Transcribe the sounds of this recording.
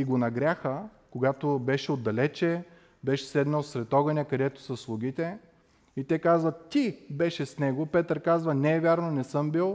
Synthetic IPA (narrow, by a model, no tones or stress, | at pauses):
iɡonɐɡɾʲaxəkoɡat̪obɛʃɛod̪ːɐlɛt͡ʃɛ | bɛʃɛ̥sɛd̪nəlˠsvɾɛt̪ɔɡɐnʲɛkɐd̪ɛt̪ʊ̥sɐslˠʊɡʲit̪ɛ | it̪ɛkazvɐt̪ibɛʃɛsnɛɡopɛt̪əɾkazvɐnɛːvʲjaɾnonɛsɤmbilˠ